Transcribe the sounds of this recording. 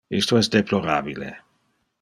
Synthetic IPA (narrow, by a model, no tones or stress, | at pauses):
ḭst̪oɛsd̪eploɾaːbilḛ